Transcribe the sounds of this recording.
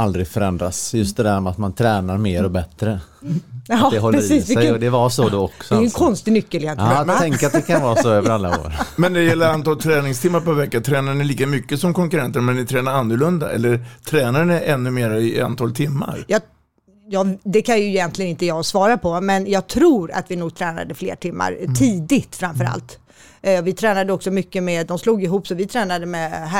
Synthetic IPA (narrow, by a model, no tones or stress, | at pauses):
ald̪ɾɪɡfœɾɛnd̪ɾa̰sjɵst̪̚d̪ɛd̪æɾmɛat̪mant̪ʰɾɛːnaɾmeːɾɔbɛt̪ɾə | ɑd̪ɛɦɔlɾɛəɾiːsɪɛɔd̪ɛvasɔd̪oɔksɔjkʰɔnst̪ɪɡnʏkːəljɛnt̪ʰɛŋkəɾat̪̚d̪ɛkʰanvɑːsɔøːvəəɾalːao̰ːɾmɛnd̪ɛd̪ɛjɛlːəɾant̪ʰɑːlt̪ʰɾɛːnɪŋst̪ʰɪmːaɾpavɛkːat̪ʰɾɛːnaɛɭiːkamʏkːəsɔmkʰɔŋkɵɾɛnt̪əɾmɛnːɪt̪ʰɾɛːnaɾanːəɭɵnd̪a̰ɛ̰lːəɾt̪ʰɾɛːnaɾɳɛʔɛnːɵmeːɾaɪa̰nt̪ʰɑːlt̪ʰɪmːa̰ɾjɑː | jɑːd̪ɛkʰanjɵjɛnt̪lɪɡənɪnt̪əjɑːɡsvɑːɾapʰɔmɛnjɑːɡ̚t̪ʰɾuːɾa̰t̪vɪnuːɡ̚t̪ʰɾɛːna̰d̪əflḛːʈʰɪmːa̰ɾt̪ʰiːd̪ɪt̪fɾamfœɾa̰lt̪ | vɪt̪ʰɾɛːnad̪əɔksɔmʏkːəmɛːd̪ɔmsluːɡɪɦuːpsɔvɪt̪ʰɾɛːnad̪əmɛɦæ